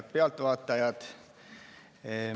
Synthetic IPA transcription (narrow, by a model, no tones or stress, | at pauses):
t̪̚peɑlt̪ʋɑːˑt̪ːɑjɑt̪